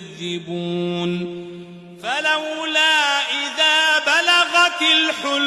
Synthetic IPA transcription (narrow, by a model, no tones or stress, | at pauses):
ðːɪbuːn | falawlaːʔɪðaːbalaɣɑt̪ɪlħʊl